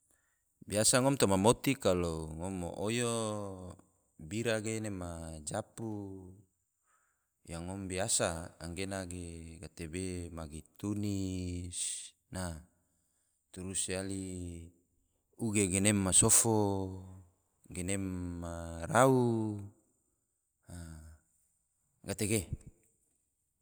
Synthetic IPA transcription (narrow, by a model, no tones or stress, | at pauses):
biasaŋɔmt̪omamot̪ikaloŋɔmːo̰ʔojo | biɾaɡenemad͡ʒapu | jaŋɔmbiasaːŋɡenaɡeɡat̪ebemaɡit̪unis | na | t̪uɾusiali | uɡeɡenemːasofo | ɡenemːaɾau | a | ɡat̪eɡe